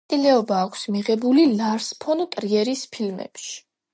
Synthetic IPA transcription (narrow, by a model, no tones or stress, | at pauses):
ilɛɔbaːkʷʰsmiʁɛbulilaɾspʰɔnt̪ʼɾiɛɾispʰilmɛ̰pʃi̥